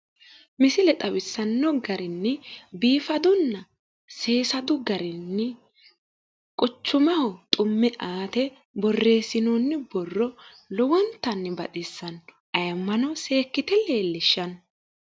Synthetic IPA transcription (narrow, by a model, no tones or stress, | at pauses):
mɪsɪlɛt̪ʼɐwɪsːɐnːɔɡɐɾɪnːɪbiːfɐd̪ʊnːɐ | se̞ːsɐd̪ʊɡɐɾɪnːɪ | kʼʊt͡ʃːʊmɐhɔt̪ʼʊmːɛʔaːt̪ɛ | bɔrːe̞ːsɪnoːnːɪbɔrːɔ | lɔwɔnt̪ːɐnːɪbɐ̰t̪ʼɪsːɐn | ɐjɐmːɐnɔse̞ːkːɪt̪ɛle̞ːlːɪʃːɐn